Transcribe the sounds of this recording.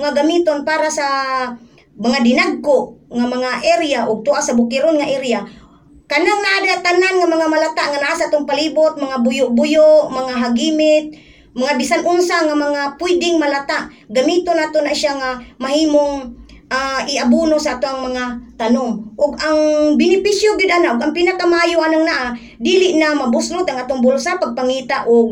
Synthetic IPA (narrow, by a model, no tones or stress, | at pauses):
ŋaɡamiːt̪onpaːɾasa | maŋad̪ɪnaɡ̚kʊʔŋamaŋaʔɛɾjaʔʊɡ̚t̪uʔasabʊkɪɾonŋaʔɛɾja | kanaŋnaʔadat̪ananŋamaŋamalat̪aʔŋanaʔasaʔat̪oŋpaliːbʊt̪̚maŋabʊjʊʔbʊjʊʔmaŋaɦaɡiːmɪt̪̚ | maŋabɪsanʔʊnsaŋamaŋapwidɪŋmalat̪aʔ | ɡamiːt̪onaːt̪ʊnaʃaŋamaɦiːmoŋʔaʔɪabunosaʔat̪oŋaŋmaŋat̪anʊŋʔʊɡaŋbɪnɪpisjoɡɪd̪anaʔʊɡaŋpinakamaʔaːjʊʔanaŋnaʔa | diːlɪʔnamabʊslʊt̪ʔaŋʔaːt̪ʊŋbʊlsapaɡ̚paŋiːt̪aʔʊɡ̚